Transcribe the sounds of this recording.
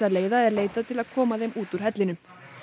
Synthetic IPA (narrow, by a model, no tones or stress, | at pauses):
aleːjðaɛɾleːjt̪at̪ʰɪlaðkʰɔːmaθejmuːt̪uɾ̥ɦɛt̪lɪnʏ